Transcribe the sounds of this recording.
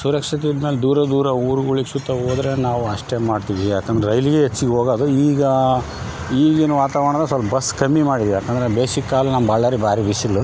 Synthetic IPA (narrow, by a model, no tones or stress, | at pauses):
suɾɐkʂɐt̪̬ijd̪meːld̪uːɾɐd̪uːɾɐuːɾuɡuɭiksut̪ːɐɦoːd̪ɾe̞naːʋuɐʂʈe̞maːɖt̪iʋijaːkːɐnd̪ɾeɾɐjliɡeɦet͡ʃːiɡeɦoːɡaːd̪uiːɡɐ | iːɡenuʋaːt̪aːʋɐɳɐd̪ɐsɐlpɐbɐskɐmːimaːɽid̪iʋijaːkːɐnd̪ɐɾebeːsikːaːlɐnɐmbʱaːɭaːɾibʱaːɾibisilːu